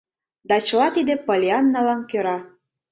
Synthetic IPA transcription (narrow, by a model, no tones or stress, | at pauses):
d̪ɑt͡ɕəlɑt̪id̪epolʲiɑnːɑlɑnkøɾɑ